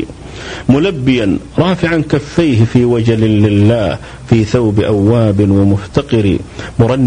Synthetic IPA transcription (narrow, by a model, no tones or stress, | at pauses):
mʊlabːɪjanɾˤɑːfɪʕankafːajhɪfiːwad͡ʒalɪːɪlːaːh | fiːθawbɪʔawːaːbɪwamʊft̪aqɨɾɪ̰mʊɾˤɑnː